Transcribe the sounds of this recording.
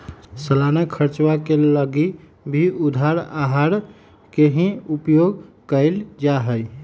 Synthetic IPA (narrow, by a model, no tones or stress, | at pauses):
səlanakʰəɾt͡ʃwakeləɡi | bʱiud̪ʱaɾaɦaɾ | keɦĩupjoɡkəɪld͡ʒaɦəj